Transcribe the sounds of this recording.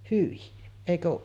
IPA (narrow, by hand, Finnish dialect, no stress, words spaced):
hyi eˑikø oːʔ